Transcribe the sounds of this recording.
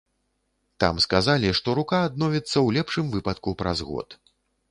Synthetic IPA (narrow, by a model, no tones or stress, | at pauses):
t̪a̰mskazalʲiʂt̪ɔɾukaːd̪̚nɔvʲit̪sːɐwlʲɛpʂɨmvɨpɐt̪kupɾa̰zɣɔ̰t̪